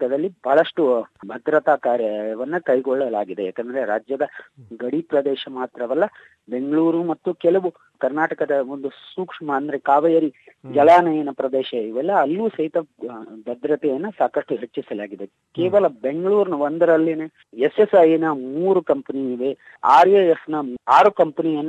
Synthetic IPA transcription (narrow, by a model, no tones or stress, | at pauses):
kɐd̪ɐlːibʱaɦɭɐʂʈubʱɐd̪ɾɐt̪aːkaːɾjɐʋɐnːukɐjɡɔɭːɐlaːɡid̪ejaːkɛnd̪ɐɾeɾaːd͡ʒjɐd̪ɐɡɐɽipɾɐd̪ɛːʃɐmaːt̪ɾɐʋɐlːɐ | be̞ŋɡɐɭuːɾumɐt̪ːukɛlɐʋu | kɐɾnaːʈɐkɐd̪ɐond̪usuːkʂɐmɐːnd̪ɐɾe̞kaːʋɐjɐɾid͡ʒɐlaːnɐjɐnɐpɾɐd̪ɛːʃɐiʋɛlːɐːlːuːsɐɦit̪ɐbɐd̪ɾɐt̪ɛjɐnːɐsaːkɐʂʈuɦet͡ʃːisɐlaːɡid̪e | keːʋɐlɐbe̞ŋɡɐɭuːɾnɐond̪ɐɾɐlːine | esesɐjinɐmuːɾukɐmpɐniiʋe | aːɾjejesnɐaːɾukɐmpɐnijɐnː